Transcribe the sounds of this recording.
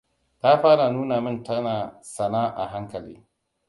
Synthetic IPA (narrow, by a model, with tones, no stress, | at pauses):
ta˦ɸaː˦ɾa˨nuː˦na˨mɪ˦˨ntɐ˦naː˨sɐ˨naː˦ʔa̰˨ɦa˦ŋkɐ˨lḭː˦